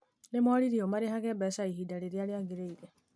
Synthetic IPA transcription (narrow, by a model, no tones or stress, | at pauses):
nemwɔɾiɾiomaɾehaɣɛbɛsaiɦidaɾeɾjaɾjaɡeɾeiɾɛ